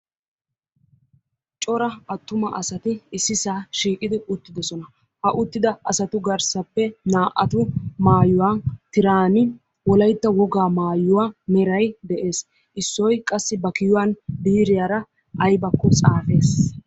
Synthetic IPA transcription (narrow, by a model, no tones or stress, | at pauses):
t͡ʃʼɔɾɐɐt̪ːʊmɐʔɐsɐt̪ɪɪsːɪsaːʃiːkʼɪd̪ɪʊt̪ːɪd̪ɔsɔnɐ | hɐʔʊt̪ːɪd̪ɐɐsɐt̪ʊɡɐɾsɐpːɛnaːʔɐt̪ʊmaːjʊwat̪ɪɾaːnɪ | wɔlɐjt̪ːɐwɔɡaːmaːjʊwaːmɛɾɐjd̪ɛʔe̞ːs | ʔɪsːɔjkʼɐsːɪbɐkɪjʊwanbiːɾɪjaːɾɐ | ʔɐjbɐkːɔt͡sʼaːfe̞ːs